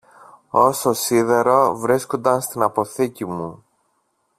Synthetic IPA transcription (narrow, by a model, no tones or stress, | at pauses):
o̞so̞siðe̞ɾo̞vɾisko̞nd̪ɐnst̪inɐpo̞θicimu